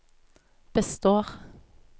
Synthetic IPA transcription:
b̥əst̪oːʁ

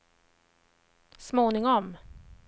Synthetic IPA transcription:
smoːnɪŋɔm

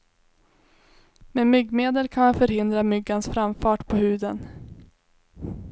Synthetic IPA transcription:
memʏɡːmeːd̪əlkʰanmanfœɾhɪnd̪ɾamʏɡːansfɾamfɑːʈpʰɔhʉ̟ːd̪ən

